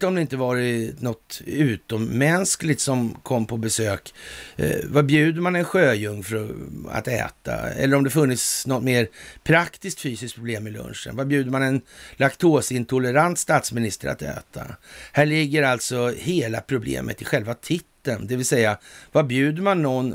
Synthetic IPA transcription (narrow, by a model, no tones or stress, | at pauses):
ɔmd̪ɛɪnt̪əvɑːɾɪnɔt̪ʉ̟ːt̪ɔmːɛnsklɪt̪sɔmkʰɔmːpʰɔbɛsøːk | vabjʉ̟ːd̪əmanɛnɧøːjɵŋːfœɾɔa̰t̪ɛ̰ːt̪a̰ɛ̰lːəɾɔmd̪ɛfɵnːɪt̪snɔt̪ːmeːɾpʰɾakt̪ɪskt̪fyːsɪskt̪̚pʰɾʊbleːmːɪlɵ̰nʂə̰nvabjʉ̟ːd̪əmanɛnlakt̪ʰoːsɪnt̪ʰʊləɾant̪st̪aːt̪smɪnɪst̪əɾa̰t̪ɛ̰ːt̪ʰa̰hæːɭɪɡːəɾalt̪sɔheːlapʰɾʊblḛːmʔə̰t̪ɪɧɛlvat̪ʰɪt̪ːənd̪ɛvɪlsɛjːavabjʉ̟ːd̪əɾmanːɔnː